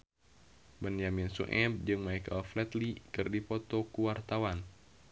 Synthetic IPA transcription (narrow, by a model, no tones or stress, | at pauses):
bənjaminsṵʔɛb̚d͡ʒɨŋmaikaflɛt̪likɨrdipɔt̪ɔkuwart̪awan